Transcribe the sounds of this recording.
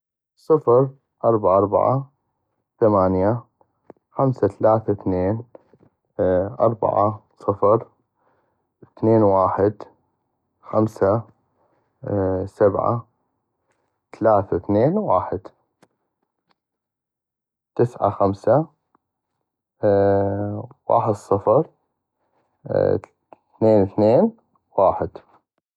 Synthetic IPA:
sˤɨfɾ | ʔɑɾˤbaʕaʔɑɾˤba̰ʕa | θamaːnja | xamsat̪alaːθaθneːn | ʔɑ̰ɾˤba̰ʕa̰sˤɨfɾ | θneːnwaːħɪd̪ | xamsa | sabʕa̰ | t̪alaːθaθneːnwaːħɪd̪ | t̪ɪsʕa̰xamsa | wa̰ːħəd̪sˤɑfɑɾˤ | θneːnθneːn | waːħɪd̪̥

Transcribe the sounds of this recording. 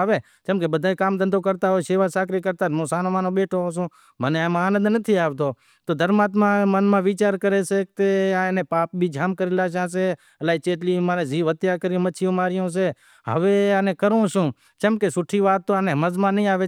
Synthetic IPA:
ʋeː | t͡ʃəmkeːɓəd̪ʱaːĩkaːmd̪ə̃nd̪oːkəɾt̪aːɦoːeʃeːʋaːsaːkɾiːkəɾt̪aːɾmõːsaːnõːmaːnõɓeːʈʰoɦos̬õː | məneaməaːnəd̪nət̪ʰiːaːʋt̪oː | t̪oːd̪ʱəɾmaːt̪mãmənmãːʋiːt͡ʃaːɾkəɾeːsek̚t̪eaenẽpaːp̚bʱiːd͡ʒʱaːmkəɾeːlaːʃ̬ãːs̬eː | əlaːit͡ʃeːt̪̬liːmaːneːziːʋət̪jaːkəɾjõːmət͡ʃʰijõːmaːɾɪjõːs̬eː | ɦə̰ʋeːaneːkəɾõːʃũː | t͡ʃəmkesʊʈʰiːʋaːt̪ːoːanẽɦəməzmãːnəɦĩːaːʋe

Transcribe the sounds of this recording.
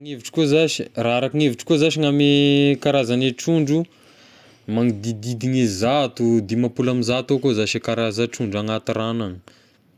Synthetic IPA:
ŋeviʈ͡ʂi̥kozaʃiraaɾakiŋeviʈ͡ʂi̥kozaʃiŋamekaɾazaneʈ͡ʂuɳɖ͡ʐu | maŋid̪id̪id̪iɲezat̪ud̪imapulamizat̪okozaʃekaɾazaʈ͡ʂuɳɖ͡ʐaŋat̪ɾanaŋə̥

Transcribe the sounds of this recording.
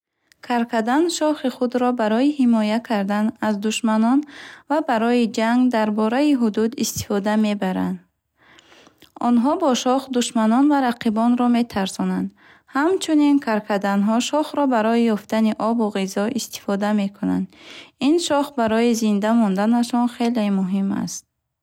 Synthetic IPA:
kʰaɾkʰad̪anʃɔχiχud̪ɾɔbaɾɔjihimɔjakʰaɾd̪anazd̪uʃmanɔnvabaɾɔjid͡ʒaŋɡd̪aɾbɔɾaiɦud̪ud̪ist̪i̥fɔd̪ame̞baɾa̰nd̪ | ɔnɦɔbɔʃɔχd̪uʃmanɔnvaɾaqʰibɔnɾɔme̞t̪ʰaɾsɔnand̪ | hamt͡ʃʰuninkʰaɾkʰad̪anɦɔʃɔχɾɔbaɾɔjijɔft̪aniʔɔbuʁizɔʔist̪i̥fɔd̪ame̞kʰuna̰nd̪inʃɔχbaɾɔjizind̪amɔnd̪anaʃɔnχe̞lemuɦima̰st̪̚

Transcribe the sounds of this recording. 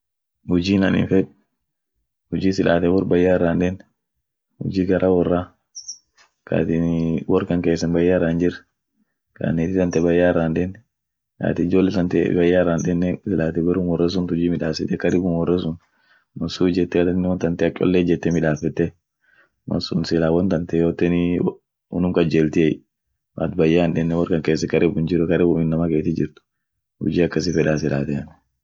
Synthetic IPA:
hʊd͡ʒiːnɐnɪ̰nfɛᶑ | hʊd͡ʒiːsɪlʔaːt̪ɛwɔrbɐjːaːrːanᶑɛn | hʊ̰d͡ʒiːɡɐɾʔawɔrːa | ka̰ːt̪ɪnwɔrkɐŋkeːsːɐnbɐjːarːand͡ʒɪɾ | ka̰ːnt̪ɪt̪ɐnt̪ɛbɐjːaːrːaːnᶑɛn | ka̰ːt̪ɪɪd͡ʒoːlːɛsɐnt̪ɛ̰bɐjːarːanᶑɛnːɛsɪlaːt̪ɛbɛɾʊnwɔrːɐs̬ʊnt̪hʊd͡ʒiːmɪᶑaːsɛt̪ːɛkːɐd̪ɪɡʊnwɔrːɐsʊn | mɐsuːd͡ʒɛt̪ːɛɐt̪ɐnːɛwɔnt̪ɐnt̪ɛɐt͡ʃʼːɔ̰lːeːd͡ʒɛt̪ːɛmɪᶑaːfɛt̪ːɛ | mɐ̰sʊnsɪlaːwɔnt̪ɐnt̪ɛjoːt̪ːɛn | ʊ̰nʊmkɐd͡ʒeːlt̪ɪɛ | ma̰t̪bɐjːaːnᶑɛnːɛwɐɾkɐŋkeːs̬ːɛkɐɾɪbʊnd͡ʒɪɾɛkɐɾɪbʊmɪnːɐmɐkeːt̪ɪd͡ʒɪɾt̪ʊ̥ | hʊ̰d͡ʒiːɐkːɐs̬ɪfɛᶑaːs̬ɪlaːt̪ɛɐn

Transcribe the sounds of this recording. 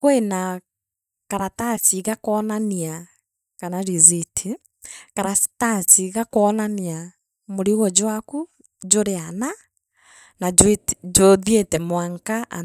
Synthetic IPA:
kwena | kaɾatat͡ʃiɣakɔnania | kanaɾizitʰi | kaɾatat͡ʃiɣakoɔnania | moɾiɣɔd͡ʒowaku | d͡ʒoɾeana | naed͡ʒoðjetɛmwaŋkaʔa

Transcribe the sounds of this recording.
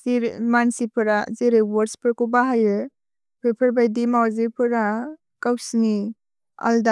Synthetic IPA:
siɾmansipʰɯɾazeɾɯwɔɾspʰɯɾkubaɦajɯ | pʰepʰɯɾbajdimawzipʰɯɾa | kawsni | a̰lda

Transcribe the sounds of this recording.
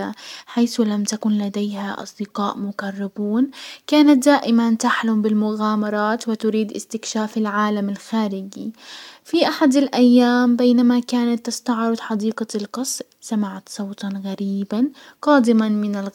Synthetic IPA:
aħajθʊlamt̪akʊnlad̪ejhaʔɑ̰sˤd̪ɪqɑːʔmʊkɑrˤːɪbuːnkaːnat̪̚d̪aːʔɪmant̪aħlʊmbɪlmʊɣaːmɑɾˤɑːt̪wɪt̪ʊɾiːd̪ʔɪ̰st̪ɪkʃaːfɪlʕaːlamɪlxaːɾɪɡḭfiʔaħad̪alʔajːaːmbeːnamakaːnat̪ːɪst̪ɑʕɾˤʊd̪ˤħɑd̪iːqɑlqɑsɾsamaʕat̪sˤɑwt̪ɑnɣaɾiːbanqɑːd̪ɪmanmɪnɪlɣ

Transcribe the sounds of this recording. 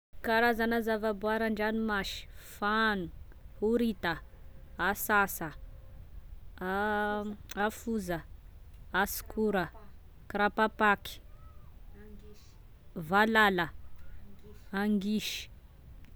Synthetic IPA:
kaɾazanazavabuaɾaɳɖ͡ʐanimaʃi̥fanu̥huɾit̪əasasə | afuzə | asi̥kʰuɾə | kɾapapaki̥ | valalə | aŋɡiʃi̥

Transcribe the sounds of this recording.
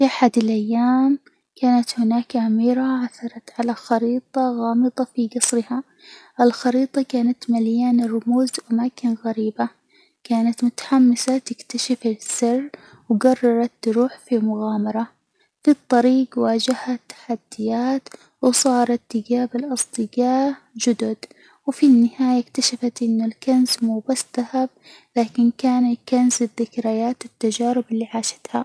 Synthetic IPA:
fiʔaħad̪ɪlʔajːaːm | kaːnat̪hɪnaːkʕamiːɾaʕaθːɑɾˤɑt̪ʕalaxɑɾiːt̪ˤɑɣɑːmɨd̪ˤɑfiɡɑsˤɾɪha | ʔɪlxɑɾiːt̪ˤɑkaːnat̪maljaːnrˤːʊmuːzʔamaːkɪnɣaɾiːba | kaːnat̪mʊt̪ḁħamːɪsat̪ɪkt̪aʃafɪsːɪrː | wɡɑrˤːɑɾˤɑt̪ːɾuːħfimʊɣaːmɑɾˤɑ | fit̪ˤːɑɾiːɡwaːd͡ʒahat̪ːḁħad̪ːɪjaːt̪ | wsˤɑːɾˤɑt̪ːɪɡaːbɪlʔɑsˤd̪ˤɨɡɑː | d͡ʒʊd̪ʊd̪ | wfinːɪhaːjakt̪aʃafat̪ʔɪnːʊlkanzmuːbasːðahab̚ | laːkɪnkaːnakanzɪðɪkɾajaːt̪ɪt̪ːad͡ʒaːɾɪbɪlːiːʕaːʃḁt̪ha

